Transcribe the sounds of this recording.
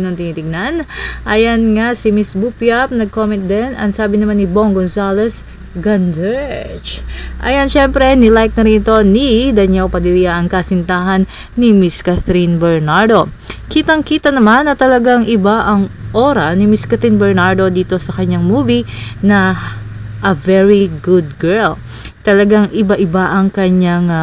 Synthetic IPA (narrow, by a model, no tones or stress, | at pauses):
noŋt̪ɪniːt̪ɪɡ̚nanʔajɐnŋasɪmisbupjap̚nɐɡ̚komɛ̃nt̪̚d̪ɛnɐ̰ŋsaːbɪnɐmanːɪbo̞ŋɡonsalɛs | ɡɐnd̪ɛt͡ʃʔɐ̰jɐnʃɛmpɾɛnɪlajk̚nɐɾɪnɪt̪o̞nid̪ɐɲɛwpɐd̪ɪlijaʔɐŋkasɪnt̪aːɦɐnː | ɪmɪskaθɾinbɛɹnaɹd̪o̞ | kiːt̪ɐŋkiːt̪ɐnɐmanːɐt̪ɐlɐɡaŋɪbaʔɐŋʔo̞ɾɐnɪmiskɐθinbɛɹnaɹd̪o̞d̪iːt̪o̞sɐkɐɲaŋmuːvinɐ | ʔɐvɛɹiɡʊd̪̚ɡɛɹl | t̪ɐlɐɡaŋʔɪbaʔɪbaʔɐŋkɐɲaŋ